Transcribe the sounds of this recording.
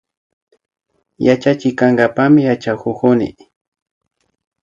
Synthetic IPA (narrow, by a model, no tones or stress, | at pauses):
jat͡ʃat͡ʃɪkaŋɡapamɪjat͡ʃakʊkʊnɪ̰